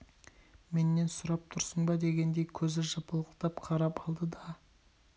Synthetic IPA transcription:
me̞nːe̞nsʊɾɑp̚t̪ʰʊɾsəɴbɑd̪e̞ɡʲe̞nd̪ejkʲʰɵzɪʒɑpəlˠəqt̪ɑpqʰɑɾɑpɑlˠd̪əd̪ɑ

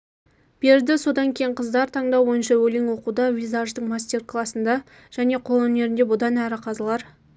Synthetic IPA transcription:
b̥e̞ɾd̪ɪso̞d̪ɑŋkʲʰe̞jɪɴqʰəzd̪ɑɾt̪ʰɑɴd̪ɑwwo̞jənʃɑwɵleŋwo̞qud̪ɑvʲizaʒd̪əɴmasʲt̪ʲe̞rklˠɑsənd̪ɑ | ʒ̥æne̞qʰo̞lˠwɵne̞ɾɪnd̪ebʊd̪ɑnæɾɪqʰɑzəlˠɑɾ

